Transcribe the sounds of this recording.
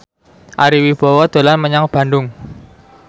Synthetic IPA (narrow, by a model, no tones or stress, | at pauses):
ʔaɾiwib̥ɔ̤wɔd̪̥o̤lanməɲaŋb̥a̤ndʊŋ